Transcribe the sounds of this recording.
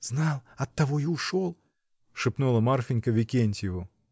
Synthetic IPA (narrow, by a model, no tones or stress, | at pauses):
z̥nɑlˠɐt̪ːɐvojiʊʂolˠ | ʂɨpnulˠɐmarfʲɪnʲkəvʲɪkʲenʲt̪ʲjɪvo